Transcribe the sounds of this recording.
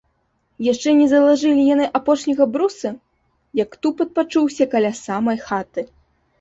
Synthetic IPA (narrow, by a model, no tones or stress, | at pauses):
jaʂt͡ʂɛnʲɛzɐlˠaʐɨlʲijanɨʔapɔʂnʲɐɣɐbɾusɐ | jɐkt̪upɐt̪̚pat͡ʂuwsʲɐkalʲasamɐjxat̪ɨ